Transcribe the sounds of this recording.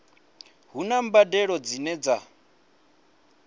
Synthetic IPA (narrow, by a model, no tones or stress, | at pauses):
ɦunambadɛɺɔd͡zinɛd͡za